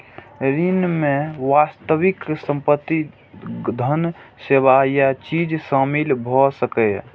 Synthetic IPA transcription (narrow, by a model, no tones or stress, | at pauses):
ɾinmẽʋast̪əwɪksə̃mpət̪ːi | d̪ʱənseːwajat͡ʃid͡ʒsamilbʱɔsəkə